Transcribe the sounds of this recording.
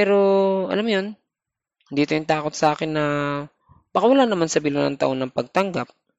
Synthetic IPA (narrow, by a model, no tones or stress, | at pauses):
pɛːɾo̞ʔɐ̰lamjon | nd̪iːt̪ojʊnt̪aːko̞t̪̚sɐʔaːkɪnːɐ | bakawɐlaːnɐmansɐbɪlonɐ̰ŋt̪ɐʔo̞nɐŋpɐɡ̚t̪ɐŋɡap̚